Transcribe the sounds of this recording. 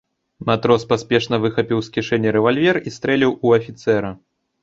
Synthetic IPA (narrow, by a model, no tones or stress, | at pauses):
mat̪ɾɔspasʲpʲɛʂn̪ɐvɨxɐpʲiwskʲiʂɛnʲːɛɾɛvalʲvʲɛrist̪ɾɛlʲiwuɐfʲit̪sɛɾɐ